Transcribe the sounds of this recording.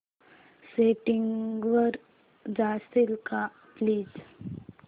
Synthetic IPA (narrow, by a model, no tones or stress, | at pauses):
seːʈiŋɡʋəɾ | d͡ʒaːsilka | pliːd͡ʒ